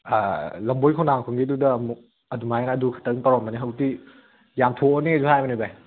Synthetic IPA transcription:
alɐmbojkʰanaŋkʰuŋɡidudɐːmuk̚ | ɐdumajnɐːdukʰɐ̥tɐknpɐɾɔnmɐniɦɐwti | jamtʰoonezuhajbɐnibaj

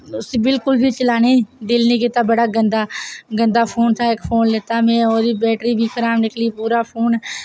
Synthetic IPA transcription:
ʊseːbɪlkʊlbʱiːt͡ʃəlaːneːd̪ɪlnĩːkɪt̪aːbəɽaːɡənd̪aːɡənd̪aːpʰoːnt̪ʰaːɪkpʰoːnleːt̪aːmɛ̃ːoːɾiːbɛːʈɾiːbʱiːkʰəɾaːmnɪkʰliːpuːɾaːpʰoːn

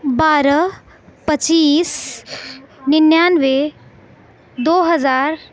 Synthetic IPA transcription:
baːɾə | pət͡ʃiːs | nɪnjaːnʋe | d̪oːɦəzaːɾ

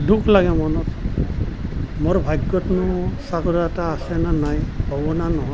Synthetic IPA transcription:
dukʰlaɡɛmɔnɔt | moɹbʱajɡːɔtnusaɡɔɾataːsɛnanajhɔbɔnanɔɦɔ

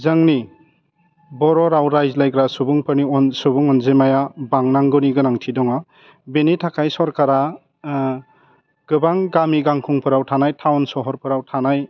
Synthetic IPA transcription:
zɯŋni | bɔɾɔɾawɾajzlajkɾasubuŋpʰɯɾniɔnsubuŋɔnzemajabaŋnaŋɡɔniɡɯnaŋtʰidɔŋa | benetʰakʰajsɔɾkaɾa | ɡ̥ɯbaŋɡamiɡaŋkʰuŋpʰɯɾawtʰanajtʰawnsɔɦɔɾpʰɯɾawtʰanaj

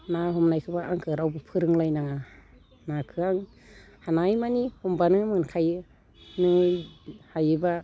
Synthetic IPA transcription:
naɦɔmnajkʰɯbaaŋkʰɯɾawbɯpʰɯɾɯŋlajnaŋa | nakʰɯaŋ | hanajmanihɔmbanɯmɯnkʰajɯ | nɯ | hajɯba

